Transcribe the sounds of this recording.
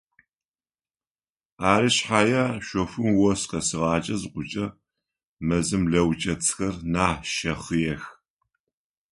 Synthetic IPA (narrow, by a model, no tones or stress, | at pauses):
aːɾɨɕħajɐʃʷɔfʷɨmwɔsqɐsɨʁɑːt͡ʃʼɐzɨqʷʊt͡ʃʼɐ | mɐzɨmɮɐwt͡ʃʼɐt͡sʰʼxɐrnaːʃɐχɨjɛx